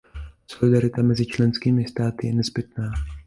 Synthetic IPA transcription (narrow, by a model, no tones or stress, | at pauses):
so̞lɪdaɾɪt̪amɛzɪt͡ʃlɛnskiːmɪst̪aːt̪ɪjɛnɛzbɪt̪̚naː